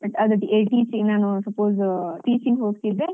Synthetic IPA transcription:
bɐʈɐd̪ɐʈieʈiːsiɡnaːnusɐpoːzʈiːsiŋɡɦoːɡt̪id̪ɾe

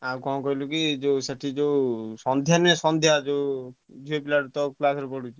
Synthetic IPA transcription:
akɔ̃kɔilukid͡ʒoseʈʰid͡ʒowsɔnd̪ʱjanesɔnd̪ʱjad͡ʒo | d͡ʒʱuepilaɾut̪ɔklasɾɔpɔɽut͡ʃʰi

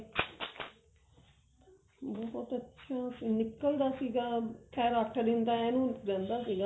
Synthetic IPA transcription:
bɔɦɔt̪ɐtːʃʰasinikːɐld̪aːsiɡakʰɛːɾaːk̚ʈɐɾint̪ajanũːd̪ɛnd̪aːsiɡa

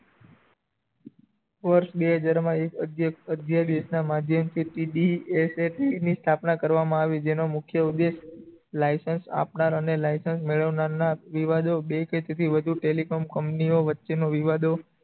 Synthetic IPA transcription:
ʋəɾʃbeɦəd͡ʒaɾmãekəəd̪ʱjad̪esnamad̪ʱjəmt̪ʰiʈiɖieseʈiinist̪ʰapnakəɾʋamãaʋid͡ʒenomʊkʰjəud̪eʃ | lajsənsa̰pnaɾənelajsənsmeɭəʋnaɾnaʋiʋad̪obekət̪et̪ʰiʋəd̪ʱuʈelikomkəmpnioʋətːʃenoʋiʋad̪o

